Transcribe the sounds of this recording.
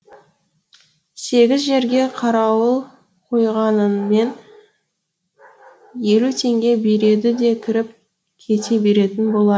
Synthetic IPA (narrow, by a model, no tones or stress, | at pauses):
se̞ɡʲɪzʒe̞ɾɡʲe̞qʰɑɾɑwəlˠ | qʰo̞jʁɑnənme̞n | je̞lut̪ʰe̞ŋɡʲe̞beɾe̞d̪ɪd̪e̞kʲʰɪɾɪp̚ | kʲʰe̞t̪e̞be̞ɾe̞t̪ɪnbo̞lˠɑd̪